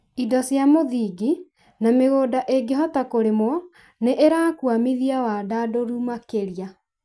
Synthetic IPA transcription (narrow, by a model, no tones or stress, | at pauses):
idɔsjamoðiɡi | nameɣoːdaʔeɡeɦɔtakoɾemwɔ | neʔeɾaːkwamiðiawadaːdoɾumakeɾia